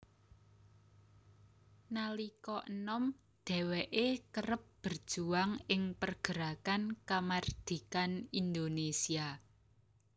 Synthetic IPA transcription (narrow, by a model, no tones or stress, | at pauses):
nalikɔʔənɔm | d̪̥ɛ̤wɛʔekəɾəp̚b̥ərd̥ʒ̥uaŋɪŋpərɡ̥ə̤ɾakankamard̪̥i̤kanind̪onesia